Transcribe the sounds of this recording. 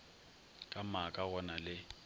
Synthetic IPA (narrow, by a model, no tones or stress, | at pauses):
kʼamakʼaɣɔnalɪ